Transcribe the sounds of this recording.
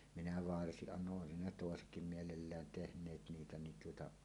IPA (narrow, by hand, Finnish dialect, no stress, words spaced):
minæ ʋɑrsiʔ ʔɑnːoʔ ʔoesin ne toˑesetkim mielelːæːn tehnˑeːt niːtæ nin tuotɑ